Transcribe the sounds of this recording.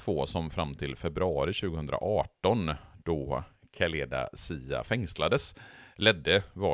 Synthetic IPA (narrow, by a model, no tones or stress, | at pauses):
t̪ʰvoːsɔmfɾamːt̪ʰɪlfɛbɾɵɑːɾɪɕʉ̟ːɡəhɵnd̪ɾa̰ʔɑːʈɔnd̪̥ɔkʰaleːd̪a̰siːa̰fɛŋslad̪əslɛd̪ːəvɑ